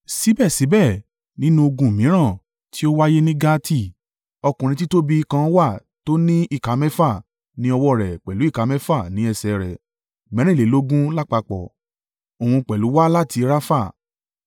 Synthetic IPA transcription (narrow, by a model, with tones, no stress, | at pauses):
si˨˦bɛ˦˨si˨˦bɛ˦˨ | nĩ˦nũ˦o˧ɡũ˧˨mĩ˨˦ɾ̃ã˦˨ | ti˦o˦wa˦je˦nĩ˦ɡa˦tʰi˦˨ | ɔ˧kũ˨ɾĩ˧ti˦to˦bi˦˧kã˧wa˦˨ | to˦nĩ˦i˦˨ka˨˦mɛ̃˦fa˦˨ | nĩ˦ɔ˧wɔ˦˨ɾɛ˨k͡pɛ˨lu˨˦i˦˨ka˨˦mɛ̃˦fa˦˨nĩ˨˦ɛ˧˨sɛ˧ɾɛ˨ | mɛ̃˨˦ɾ̃ĩ˦˨le˨˦lo˦ɡũ˦la˦˨k͡pa˧k͡pɔ˨ | o˨hũ˧k͡pɛ˨lu˨˦wa˦la˦ti˧ɾa˦fa˦˨